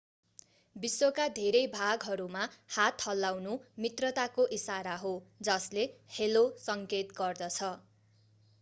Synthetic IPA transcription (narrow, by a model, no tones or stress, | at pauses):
biswokad̪ʱeɾʌjbʱaɡɦʌɾumahat̪hʌlːawnumit̪rʌt̪akoʔisaɾaɦod͡zʌslehelosʌŋket̪ɡʌrd̪ʌt͡sʰʌ